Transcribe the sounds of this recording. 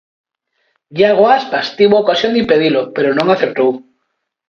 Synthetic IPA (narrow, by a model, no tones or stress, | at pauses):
ɡaɣoaspast̪iβoaokasjond̪impeðilopeɾonõŋaθeɾt̪ow